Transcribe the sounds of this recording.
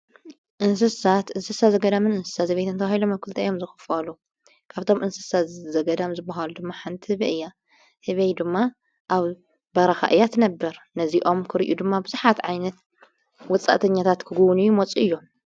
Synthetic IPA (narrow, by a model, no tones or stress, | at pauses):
ʔɨnsɨsat̪ʔɨnsɨsazɐɡɐd̪amɨnɨnsɨ̥sat̪zɐβet̪ɨnt̪ʰɐβahilomɐkʰɨlt̪ʰajomzɨxɨ̥falu | kʰaβt̪ʰo̞mʔɨnsɨsazɐɡɐd̪amzɨbːaɦalud̪ɨmːaħant̪ʰɨɨhɨβiʔɨjːa | hɨβejd̪ɨmːa | ʔaβ | bɐɾɐxa̰ʔɨjːat̪ʰɨnɐbːɐɾnɐziʔo̞mkʰɨɾiʔud̪ɨmːabɨzuħat̪ʕajnɐt̪ | wɔt͡sʼa̰ʔt̪ʰɐɲːat̪ʰat̪kʰɨɡuwnɨjːumot͡sʼuʔɨjːo